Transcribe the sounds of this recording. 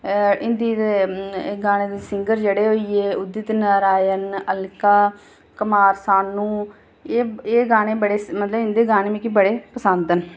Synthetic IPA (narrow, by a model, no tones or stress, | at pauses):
ɪnd̪iːeɡaːɽ̃eːd̪eːsɪŋɡəɾd͡ʒeːɽeːɦoːiːeːʊd̪ɪt̪nəɾaːjənəlkaː | kəmaːɾsaːnːũː | eːeːɡaːñẽːbəɽeːmət̪ləbɪnd̪eːɡaːnẽːmĩkibəɽeːpəsə̃nd̪ən